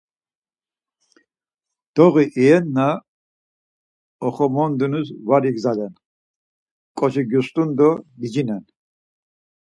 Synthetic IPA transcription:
d̪̥ɔɣiʔiɛnːa | ɔχɔmɔnd̪unusvaɾiɡzad̪ɛn | kʼɔt͡ʃʰiɡjust̪ʼund̪ɔbid͡ʒinɛn

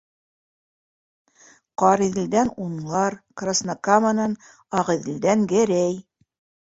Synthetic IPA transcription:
qɑɾiðɘ̆ld̪ænunlˠɑɾkrasnakamɤ̆nɑn | ɑʁɤ̆ðĭld̪æŋɡɘɾæj

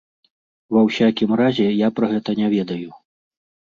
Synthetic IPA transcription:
vɐwsʲakʲimɾazʲɛjapɾɐɣɛt̪ɐnʲavʲɛd̪ɐju

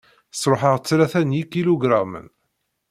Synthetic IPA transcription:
əsˤɾˤoħəʁt͡sːlæθænjikiloɡɾamə̰n

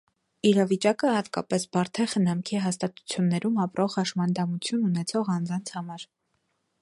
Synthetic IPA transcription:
iɾɑvit͡ʃɑkəhɑt̪kɑ̰pɛsbɑɾt̪ʰɛχənɑmkʰiɦɑst̪ɑt̪u̥t͡sʰjunːɛɾumɑpɾʔɔʁɑʃmɑnd̪ɑmut͡sʰjununɛt͡sʰɔʁɑnd͡zɑnt͡sʰhɑmɑɾ

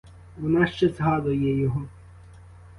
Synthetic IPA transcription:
ʋɔnɑʃt͡ʃɛzɦɑd̪ʊjɛjɔɦɔ

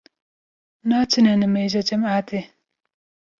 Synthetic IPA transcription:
nat͡ɕʰinanəmeʑat͡ɕamat̪e

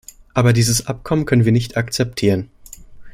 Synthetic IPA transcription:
ʔaːbɐdiːzəsʔap̚kʰɔmənkʰœnənviːɐnɪçtakt͡sɛp̚tʰiːʁən

